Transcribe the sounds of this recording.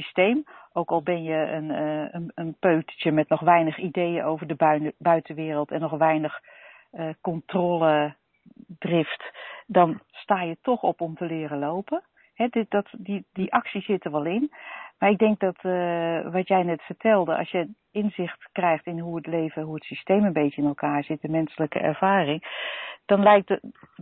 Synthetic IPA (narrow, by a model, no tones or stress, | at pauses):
stejmʔowkɑlˠbɛnjəənənənpøːtə̥t͡ʃəmɛtnɔxʋɛjnəxidejənowvərdəbœɥtəʋɪːrəlˠtɛnːɔxʋɛjnəx | əkɔntroːlə | drɪftdɑnstaːjətʰɔxɔpɔmtəlɪːrəlowpə | hɛddɔtdidiʔɑksiszɪtəɹʋɔlˠɪnmaɹɪɡ̚dɛŋk̚dɔt | ʋɑtjɛjnɛtfəɹtʰɛlˠdəʔɑ̰sjə | ɪnzɪxtkrɛjxtɪnɦuətlejvəɦuətsistejmənbejtəɪnɛlˠkaːɹz̥ɪt̚dəmɛnsələkə̰ʔɛ̰ɹv̥aːrɪŋd̥ɑnlɛjk̚d